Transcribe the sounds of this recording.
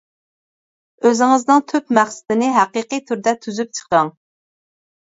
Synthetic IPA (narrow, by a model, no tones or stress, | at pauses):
øzɪŋɨznɨŋt̪ʰøpmæχsɪ̥d̪ɪnɪɦæqiqijt̪ʰyɾd̪ɛt̪ʰyzyp̚t͡ʃʰə̥qɑŋ